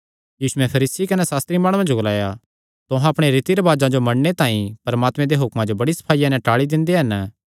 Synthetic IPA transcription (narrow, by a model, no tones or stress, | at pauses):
jiːsʊɛ̃pʰɐɾiːsikɐnɛsaːst̪ɾimaːɽʊwãd͡ʒoɡolaːja | t̪ʊɦãɐpɽ̃eɾit̪iɾɐʋaːd͡ʒãd͡ʒomɐɽnet̪ãːĩpɐɾɐmaːt̪mɛ̃d̪eɦʊkmãd͡ʒobɐɽisɐ̥pʰaːɪjãnɛ̃ʈaːɭid̪ɪ̃nd̪eɦɐn